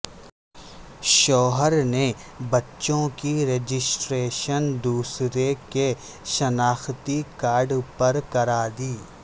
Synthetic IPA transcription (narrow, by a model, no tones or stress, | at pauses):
ʃɔːɦəɾne | bɐtːʃõkiɾeːd͡ʒɪsʈɾeːʃənd̪uːsɾeke | ʃɐnaːxt̪ikaːɾɖpɐɾkɐɾaːd̪iː